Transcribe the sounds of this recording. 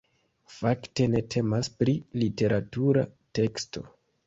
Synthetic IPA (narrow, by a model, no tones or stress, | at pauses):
fakte̞ne̞tʰe̞maspɾilite̞ɾatuɾa̰te̞ksto̞